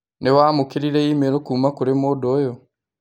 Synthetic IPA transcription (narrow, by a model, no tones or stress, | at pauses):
newaːmukiɾiɾeimeɾokuːmakuɾemoːdojo